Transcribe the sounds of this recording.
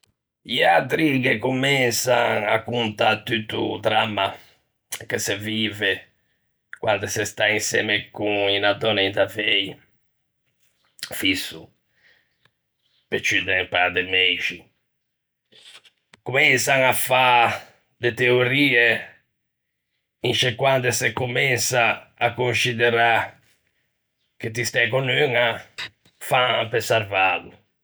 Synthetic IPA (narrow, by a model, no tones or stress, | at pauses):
iat̪ɾikekumɛnsaŋakːunt̪at̪ːyt̪ːṵt̪ɾamːa | kesɛviːvɛ | kwa̰nd̪ɛsɛst̪ainsɛ̰mɛkuŋinad̪ɔnɛt̪avei | fisːu | pet͡ʃːyd̪ɛmpad̪ɛmeʃi | kumɛnsaŋafːa | d̪et̪eoɾiːɛ | int͡ʃekːwand̪ɛsekːumɛnsaːkːunsid̪ɛɾa | k̟et̪ːist̪ɛkonøŋa | faapesaɾvaːðu